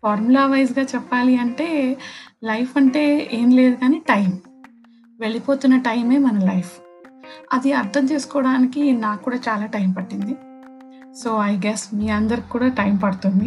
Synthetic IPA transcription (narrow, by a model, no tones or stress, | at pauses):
paːɾmulaːʋɐjzɡaːt͡ʃɛpːaːliɐɳʈe̞ːlɐjfʰɐɳʈe̞ːeːmle̞ːd̪ukaːniːʈɐjm | ʋe̞ɭipo̞ːt̪unːɐʈɐjme̞ːmɐnɐlɐjpʰ | ɐd̪iɐɾt̪ʰɐmt̪eːsu̥kɔːɽaːnikinaːkːuːɽaːt͡ʃaːlaːʈɐjmpɐʈːind̪i | so̞ːɐjɡɛsmiːɐnd̪ɐɾiki̥kːuːɽaːʈɐjmpɐɽut̪und̪i